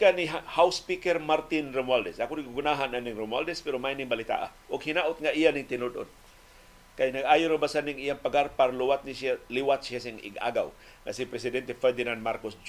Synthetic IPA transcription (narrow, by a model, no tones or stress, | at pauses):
kaniɦhawspikɛrmart̪ɪnromwald̪ɛsakʊniɡuɡunaɦananiŋɾomwa̰ld̪ɛspɛɾomajniŋbalit̪a̰ʔa̰ | ʊɡhinaʔʊt̪̚ŋaijanɪŋt̪ɪnʊd̪o̰n | kajnaɡajʊɾabasaniŋijaŋpaɡarparluwat̪̚nisialiwat̪̚sias̬iŋɪ̰ɡa̰ɡa̰w | ŋa̰sipɾɛsɪdɛnt̪ɛfɛrd̪inand̪markosd͡ʒ